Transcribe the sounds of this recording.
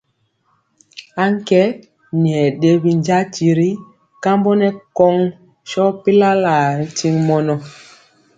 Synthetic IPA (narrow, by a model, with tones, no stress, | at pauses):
a˦ŋ˦kɛ˦ | ni˨ɛ˨ɗe˦bi˨ɲd͡ʒa˦ti˨ɾi˦ | ka˦mbɔ˦nɛ˦kɔ˦ŋ | ʃɔ˦pi˦la˦la˨ɾi˦ti˦ŋmɔ˦nɔ˦